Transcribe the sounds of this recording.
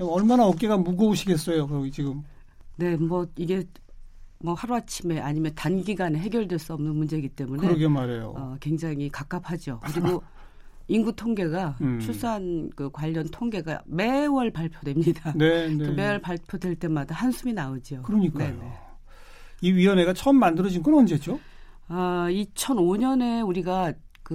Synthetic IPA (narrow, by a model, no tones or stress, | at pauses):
ʌɭmanaʌk͈̚eɡamuɡʌoɕʰiɡe̞s͈ʌjokt͡ɕiɡɯm | ne̞mwʌiɡe̞ | mʌhaɾoat͡ɕʰime̞ʔaɲimjʌntanɡiɡaneɦe̞ɡjʌɭdwe̞ɭs͈uʌmnɯnmund͡ʑe̞ɡit͈e̞muneɾʌɡemaɾejo̰ʌkwe̞ŋd͡ʑaŋikak͈ap̚ʰad͡ʑiokɯɾiɡo | inɡutʰoŋɡe̞ɡat͡ɕʰus͈uɦankɯkwaʎːʌntʰoŋɡe̞ɡa̰me̞wʌɭpaɭpʰjodwe̞mɲidanenome̞wʌɭpaɭpʰjodwe̞ɭt͈e̞madahansʰuminaod͡ʑiokɯɾʌɲik͈ane | iɥiʌne̞ɡat͡ɕʰʌmːandɯɾʌd͡ʑinɡʌnʌnd͡ʑed͡ʑo | ait͡ɕʰʌnoɲʌne̞uɾiɡa | kɯ